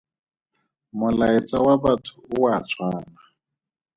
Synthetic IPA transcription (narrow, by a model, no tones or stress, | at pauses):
mʊlaɛt͡sawaβatʰʊ̥ːwat͡sʰwaːna